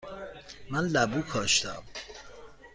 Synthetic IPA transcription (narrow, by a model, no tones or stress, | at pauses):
mænlæbuːkʰɒːʃt̪æ̰m